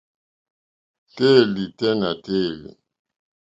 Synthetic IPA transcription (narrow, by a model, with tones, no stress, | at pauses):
te˦˨li˨tɛ˦na˨te˦˨lḭ˨